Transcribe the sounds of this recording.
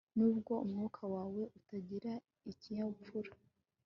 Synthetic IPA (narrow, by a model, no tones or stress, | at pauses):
nuːb̚ɡo̞umŋukʰawaːwe̞ʔutaɟiɾa | iciɲaupuɾa